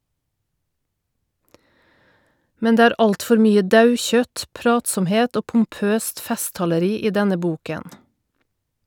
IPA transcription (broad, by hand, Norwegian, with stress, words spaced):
ˈmɛn ˈdeː ˈæːɾ ˈɑltˌfɔɾ ˈmyːə ˈdɑʉˌçœt ˈpɾɑːtsɔmˌheːt ˈoː pm̩ˈpøːst ˈfɛstɑləˌɾiː ˈiː ˈdɛnə ˈbuːkən